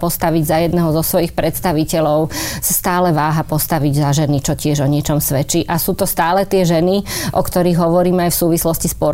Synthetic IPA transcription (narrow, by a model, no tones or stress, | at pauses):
pɔst̪aʋiɟzajɛd̪nɛɦɔzɔsʋɔjixpɾɛt̪st̪aʋicɛʎɔʊsast̪aːlɛʋaːɦapɔst̪aʋiɟzaʒɛnit͡ʃɔcɪɛʒɔɲɪɛt͡ʃɔmsʋɛt͡ʃiʔasuːt̪ɔst̪aːlɛt̪ɪɛʒɛniʔɔkt̪ɔɾiɣɦɔʋɔɾiːmajfsuːʋislɔscispʊɔɾ